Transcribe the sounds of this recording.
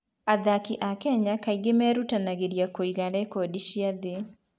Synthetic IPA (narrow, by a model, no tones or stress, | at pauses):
aðakiʔakɛɲakaiɡemɛːɾutanaɣeɾiakoiɣaɾɛkodiɕiaðe